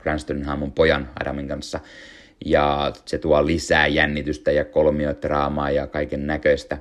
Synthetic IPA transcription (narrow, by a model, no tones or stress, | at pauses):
krænst̪oninhɑmːumpojɑnɑ̰dɑ̰miŋkɑnsːɑ | jɑːset̪uɑlisæːjænːit̪yst̪æjɑkolmioit̪rɑːmɑːjɑkɑikennækøist̪æ